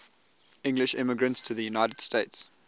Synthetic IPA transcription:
ɪ̃ŋɡlɪʃɪ̰məɡɹə̃ntstʰəðəjunaɪtəd̥steɪts

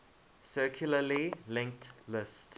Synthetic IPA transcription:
sɜˑkʰjuləlilɪ̃ŋk̚tlɪst

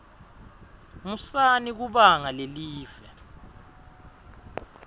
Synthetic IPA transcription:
musanik̬uɓaŋaleliːvɛ

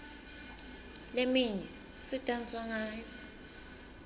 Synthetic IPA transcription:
lemiɲɛ | sitʼant͡sʼaŋaːjɔ

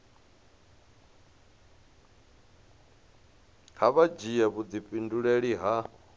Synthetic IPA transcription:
haβad͡ʒijaβud͡zipʼinduɺeɺiɦa

